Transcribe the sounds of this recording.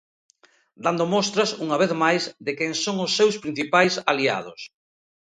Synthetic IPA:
d̪and̪omɔst̪ɾɐsuŋɐβeθmajzðɪkɛŋsoŋʊsːewspɾin̟θipajsalia̰ð̞ʊ̰s

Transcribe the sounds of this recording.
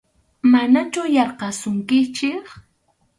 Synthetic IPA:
manat͡ʃʊjɑɾqɑsʊŋkɪt͡ʃɪk

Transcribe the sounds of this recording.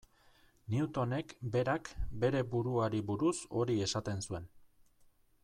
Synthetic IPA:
niut̪o̞ne̞kbe̞ɾakbe̞ɾe̞buɾuaɾiβuɾuso̞ɾie̞sat̪e̞nsue̞n

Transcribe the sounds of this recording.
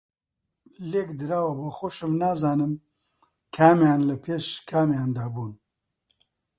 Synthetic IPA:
leːkd̪ɨɾaːwɐbɐxoʃɨmnaːzaːnɨm | kʰaːmjaːnlɐpʰeːʃkʰaːmjaːnd̪aːbuːn

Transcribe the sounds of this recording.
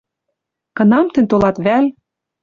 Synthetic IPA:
kɤ̆nɑmt̪ɘ̆nt̪olɑt̪βæl

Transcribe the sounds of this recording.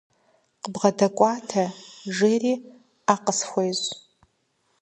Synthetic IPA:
qəbʁɐdɐkʷʼɑːtʰɐʒeriː | aːqəsxʷejz

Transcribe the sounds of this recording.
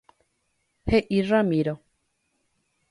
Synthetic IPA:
heʔiramiɾo

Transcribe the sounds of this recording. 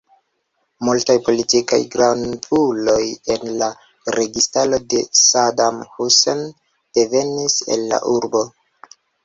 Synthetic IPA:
multajpo̞litika̰jɡɾanbulo̞je̞nla | ɾe̞ɡistalo̞de̞sadamhusen | d̥e̞ve̞nise̞̰lːa̰ʔuɾbo̞

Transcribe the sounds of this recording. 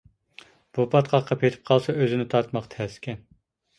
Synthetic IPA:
b̥upʰɑt̪qʰɑqʰːɑpʰet̪ʰɪ̥p̚qʰɑlˠsɑøzɪnɪt̪ʰɑɾt̪mɑqt̪ʰɛskʲɛn

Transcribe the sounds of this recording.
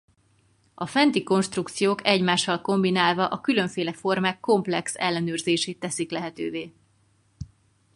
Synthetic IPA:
ɒfɛnt̪iko̞nʃt̪rukt̪sijoːkɛɟmaːʃːɒlko̞mbinaːlvɒʔɒkylø̞ɱfeːlɛfo̞rmaːkːo̞mplɛksɛ̰lːɛnøːrzeːʃeːt̪ːɛsiklɛɦɛt̪ø̰ːveː

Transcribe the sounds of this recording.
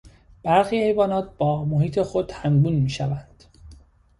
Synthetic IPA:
b̥æɾxiːhe̞jvɒːnɒːt̪̚b̥ɒːmohiːt̪ʰe̞xod̪̥hæmbuːnmiːʃævænd̪̥

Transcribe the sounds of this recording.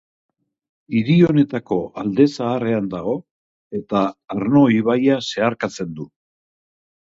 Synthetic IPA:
iɾio̞ne̞t̪ako̞ald̪e̞saːre̞and̪aɣ̞o̞ | e̞t̪aːɾno̞iβajase̞aɾkat͡se̞nd̪u

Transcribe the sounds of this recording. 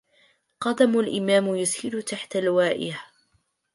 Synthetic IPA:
qɑd̪amʊlʔɪmaːmjʊshɪlʊt̪aħt̪alwaːʔɪ̰ha

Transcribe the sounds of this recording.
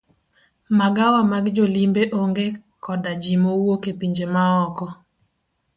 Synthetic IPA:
maɡawamaɡd͡ʒolimbeʔoŋɡe | kʰɔdad͡ʒimowokepiɲd͡ʒemaɔkɔ

